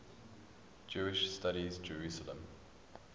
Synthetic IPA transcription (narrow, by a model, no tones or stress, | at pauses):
d͡ʒʉːɪʃstaɾizd͡ʒəɹʉˑsələ̰̃m